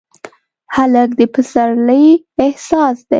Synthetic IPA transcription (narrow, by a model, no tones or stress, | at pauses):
halək̚d̪əpəsaɾləj | ɪhsɑsd̪̥ḛ